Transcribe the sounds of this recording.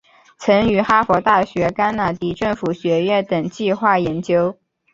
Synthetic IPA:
t͡sʰɤ˧˥ŋy˧˥xa˥fwɔ˧˥t̪a˥˩ɕɥɛ˧˥ka˥nna˧˥t̪i˥ʈ͡ʂɤ˥˩ŋfu˨˩ɕɥɛ˧˥ɥɛ˥˩nt̪ɤ˨˩ŋt͡ɕi˥˧xwa˥˩jɛ˧˥nt͡ɕjo˥ʊ

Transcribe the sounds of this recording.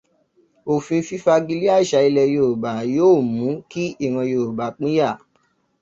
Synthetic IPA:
o˨fĩ˧fi˦fa˧ɡi˧li˦a˦˨i˦˨ʃa˧˦i˧lɛ˧jo˧˨ɾu˨ba˨joː˦˨mũ˨˦ki˦i˦˨w̃ã˧jo˨ɾu˨ba˨˦k͡pĩ˦ja˦˨

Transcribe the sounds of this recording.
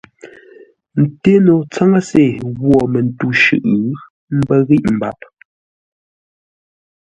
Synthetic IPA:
n̩˨te˦no˨t͡sa˦ŋa˦se˨ɣwɔ˨mɛ˨n˨tu˦ʃʉ̰˦ʔ | m̩˦bɛ˦ɣi˦ʔm̩˨ba˨p̚

